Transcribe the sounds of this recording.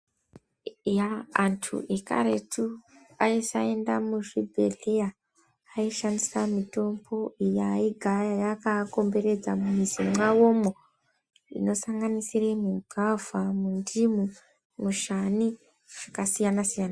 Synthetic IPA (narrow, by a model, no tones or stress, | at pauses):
jaːntʰṵʔeka̰ɾetʰu | aisae̞ndamuʐibʱe̞̰ɮejaː | iʃandisamito̞mbo̞ijaiɡʱaajakako̞mbe̞ɾe̞d͡zamumizimwawo̞mo | ḭno̞saŋɡanisiremuɡʱavʱamundimu | muʃani | ʐ̥akasijanasijana